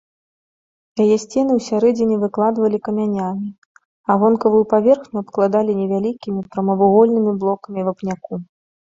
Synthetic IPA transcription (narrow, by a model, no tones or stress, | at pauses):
jajɛsʲt͡sʲɛnɨwsʲaɾɛd͡zʲenʲɛvɨklˠad̪vɐlʲikɐmʲanʲamʲi | ɐvɔnkɐvujupavʲɛrxnʲuɐp̪klˠad̪alʲinʲɛvʲalʲikʲimʲipɾɐmɐvuɣɔlʲnɨmʲiblˠɔkɐmʲivɐpnʲaku